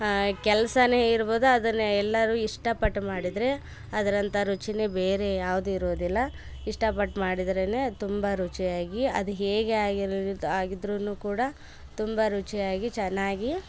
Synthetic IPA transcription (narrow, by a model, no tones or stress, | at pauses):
kɛlɐsɐne̞ːiɾbo̞ːd̪uɐd̪ɐnːɐɛlːɐɾuiʂʈɐpɐʈːmaːɽid̪ɾe̞ | ɐd̪ɐɾɐnt̪ɐɾut͡ʃinebe̞ːɾe̞jaːʋud̪uiɾoːd̪ilːɐ | iʂʈɐpɐʈːmaːɽid̪ɾene̞ːt̪umbɐɾut͡ʃijaːɡiɐ̰d̪uɦeːɡeaːɡiɾaːɡid̪ɾunuːkuːɽɐ | t̪umbɐɾut͡ʃijaːɡit͡ʃɛnːaːɡi